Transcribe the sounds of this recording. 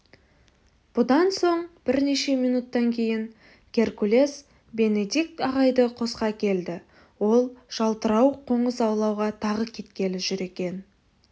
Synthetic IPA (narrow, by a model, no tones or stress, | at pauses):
b̥ʊd̪ɑnso̞ɴb̥ɪɾne̞ʃe̞mijnut̪ːɑŋkʲʰe̞jɪŋ | ɡʲe̞ɾkule̞s | be̞ne̞d̪ik̚t̪ɑʁɑjd̪əqʰo̞sqɑkʲʰe̞ld̪ɪ | wo̞lˠʒ̥ɑlˠt̪əɾɑwqʰo̞ɴəzɑwlˠɑwʁɑt̪ʰɑʁəkʲʰe̞t̪kʲe̞lɪʒʏɾe̞kʲe̞n